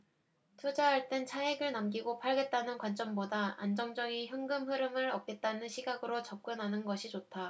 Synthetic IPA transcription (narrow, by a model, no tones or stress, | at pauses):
tʰod͡ʑaɦaɭt͈ent͡ɕʰaeɡɯɭnamɡiɡopʰaɭɡe̞t̚t͈anɯnkwant͡ɕ͈ʌmbodaa̰nd͡ʑʌŋd͡ʑʌŋiçjoŋɡɯmɸɯɾɯmɯɾʌp̚k͈e̞t̚t͈anɯnɕʰiɡaɡɯɾot͡ɕʌp̚k͈ɯnɦanɯnɡʌɕʰit͡ɕotʰa